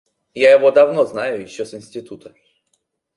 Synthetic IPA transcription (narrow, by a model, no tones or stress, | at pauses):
jajɪvod̪ɐvnoznajʊjɪɕːosɪnʲsʲtʲɪt̪ut̪ʰə̥